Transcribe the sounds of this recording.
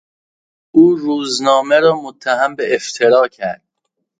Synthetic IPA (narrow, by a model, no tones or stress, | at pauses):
uːɾuːznɒːmeɾɒːmot̪ʰːæɦæmbeʔeft̪ʰeɾɒːcʰæɾd̪̥̚